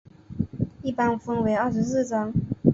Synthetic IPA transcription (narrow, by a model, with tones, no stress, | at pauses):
i˥˩pa˥nfə˥nwe˧˥ɪɐ˞˥˩ʂɻ̩˧˥sɹ̩˥˩ʈ͡ʂɑ˥ŋ